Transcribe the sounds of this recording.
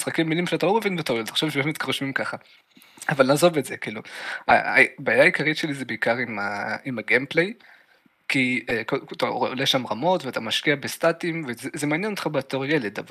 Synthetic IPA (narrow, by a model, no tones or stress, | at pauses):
isχakimːilimʃeatalo̞mevinvet̪aojetaχʃavʃebemet̪kʁoʃmimkaχa | avalnaːzo̞vetz̥ekiːlua̰a̰baːjaːikaʁit̪ʃe̞lizebeikaʁimaimaɡemplej | kiekot̪aooleʃamʁamo̞tveat̪amaʃkiabestatimvezezemeanjenot̪χabeatoʁjeledav